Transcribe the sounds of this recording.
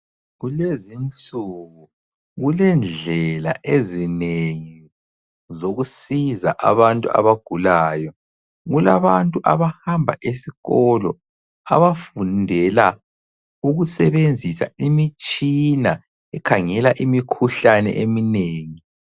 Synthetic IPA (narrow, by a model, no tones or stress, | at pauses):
ɣulezint͡sʼuɣu | ɣulɛnd͡ɮd͡ɮʱɛla̰ʔezineŋi | zoɣusiza̰ʔaβantʼṵa̰βaɡ̥ʱulaːjɔ | ɣulaβantʼuʔaβahambʱa̰ʔesiɣɔlɔ̰ | a̰βafundʱɛla | uɣusɛβend͡zʱisa̰imit͡ʃʼina | ɛkʰaŋɛlaʔimikʰuɬanɛ̰ʔemineːŋi